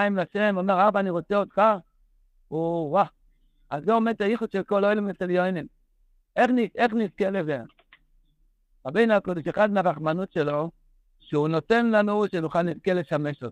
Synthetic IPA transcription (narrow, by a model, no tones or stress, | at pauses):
imlaʃemomeʁaʁbaːniʁot͡seod̪̚kaχ | uwa | azɡomet̪ajiχud̪ʃelkoloelmet̪eljojnin | eχnieχniʁkeleve | ʁabejnakodoʃexad̪mavaχmanut̪ʃelo̞ | ʃeuno̞t̪e̞nlanuʃenuχalniʁkeleʃameʃot̪